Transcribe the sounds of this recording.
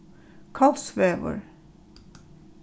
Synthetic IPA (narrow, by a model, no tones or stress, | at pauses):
kʰɑlsʋeːʋə̰ɹ